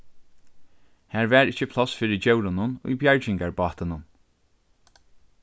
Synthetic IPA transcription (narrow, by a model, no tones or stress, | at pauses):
hæːɹvæːɹɪt͡ʃːəpʰlɔsfiːɹɪd͡ʒɛwɾʊnʊnṵjbjaɹd͡ʒɪŋkaɹbɑːt̪ɪnʊn